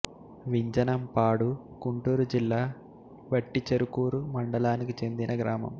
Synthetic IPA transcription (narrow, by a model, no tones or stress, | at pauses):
ʋiɲd͡ʒɐnɐmpaːɽu | kuɳʈuːɾud͡ʒilːaː | ʋɐʈːit͡ʃɐɾukuːɾumɐɳɖɐlaːnikit͡ʃe̞nd̪inɐɡɾaːmɐ̰m